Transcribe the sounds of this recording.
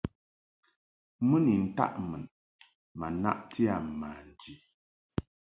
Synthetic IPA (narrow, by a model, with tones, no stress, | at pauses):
mə˦ni˨n̩˨ta̰˦ʔmə˨n | ma˨na̰˦ʔtʰi˦a˨maː˨n̩˨d͡ʒi˨